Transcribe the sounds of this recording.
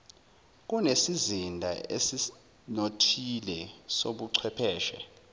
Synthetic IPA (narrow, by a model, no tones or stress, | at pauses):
k̬unesizindʱa̰ḛsi | notʰilɛsoɓuǀʰwɛpʰɛːʃɛ